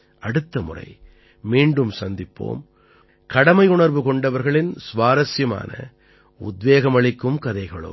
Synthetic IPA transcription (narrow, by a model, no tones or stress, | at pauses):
ʔɐɽɯt̪ːɐmʊ̰rɐ̰ɪ | miːɳɖɯmsɐnd̪ɪpːo̰ːm | kɐɽɐmɐɪʊɳɐɾʋɯkɔɳɖɐʋɐɾɣɐɭɪnsʋaːɾɐsjɐma̰ːnɐ̰ | ʊ̰d̪ʋeːɣɐmɐɭɪkːɯmkɐðɐɪɣɐɭo̰